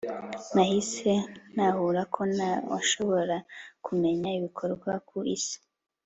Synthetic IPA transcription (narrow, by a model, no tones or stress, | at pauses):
nahise̞nahuɾakʰo̞nawa̰ʃo̞βo̞ɾakʰume̞ɲaiβikʰo̞ɾɡwakʰuʔḭsi̥